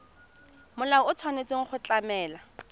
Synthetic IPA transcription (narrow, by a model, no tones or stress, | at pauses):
mʊlaʊʊt͡sʰwanet͡sʼweŋ̩χʊt͡ɬamɛːla